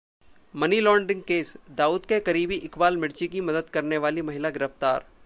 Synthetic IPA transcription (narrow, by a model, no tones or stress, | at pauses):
mɐnilɔːɳɖɪ̃ŋɡ̚keːsd̪aːuːd̪kekɐɾiːbiʔɪkbaːlmɪɽt͡ʃikimɐd̪əd̪kɐɾneʋaːlimɐɦɪlaɡɪɾəft̪a̰ːɾ